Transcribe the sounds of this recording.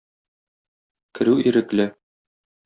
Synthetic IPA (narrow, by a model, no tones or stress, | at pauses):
kɘ̆ɾʉiɾɘ̆klɘ